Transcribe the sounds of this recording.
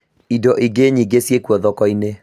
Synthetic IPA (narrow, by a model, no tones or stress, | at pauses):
idɔʔiɡeɲiɡesjekuɔðɔkɔine